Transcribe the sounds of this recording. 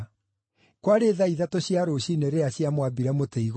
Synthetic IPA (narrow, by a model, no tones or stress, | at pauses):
kwaɾeðaiðatoɕjaɾoɕineɾeaɕjamwabiɾamoteiɣ